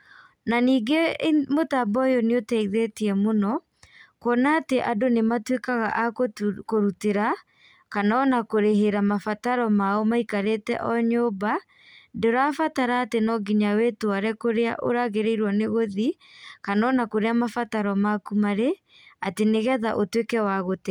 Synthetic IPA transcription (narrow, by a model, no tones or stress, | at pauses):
naniːɡemotabɔjoneotɛiðetiɛmonɔ | kɔnaːteʔadonematwekaɣaʔakkoɾuteɾa | kanɔnakoɾeɦeɾamafataɾɔmaomaikaɾetɛ̰ʔɔɲoːba | doɾafataɾaːtenɔɡiɲawetowaɾɛkoɾea̰ʔo̰ɾaɣeɾeiɾwɔneɣoði | kanɔnakoɾeamafataɾɔmakumaɾe | ateneɣɛðaʔotwekɛwaɣotɛ